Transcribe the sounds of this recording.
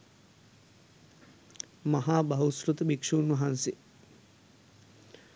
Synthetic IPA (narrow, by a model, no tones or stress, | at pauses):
mɐɦaːbɐɦusɾut̪ɐbikʂuːnwɐɦansi